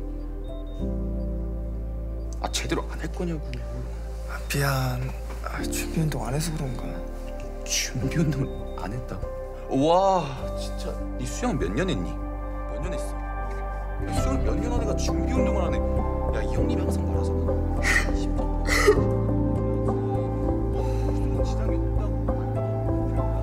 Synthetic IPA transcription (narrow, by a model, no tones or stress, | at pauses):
a̰t͡ɕe̞deɾoʔanɦet̚k͈ʌɲoku | apian | at͡ɕumbiundoŋanes̬ʰobuɾonɡa | t͡ɕuŋbiundoŋɯɾ | a̰nɦet̚t͈a | wa | t͡ɕint͡ɕ͈a | is͈ʰujaŋmjʌɲːʌneɲːi | mjʌɲːʌnes͈ʌ | isʰujaŋmjʌɲːʌnoneɡat͡ɕuŋbiundoŋɯɭɦanejaijoŋɲimjaŋsʰaŋpʌɾasʰʌ | ɕʰit͡ɕ͈ʌ | t͡ɕʌnɯnt͡ɕid͡ʑaŋedet͈a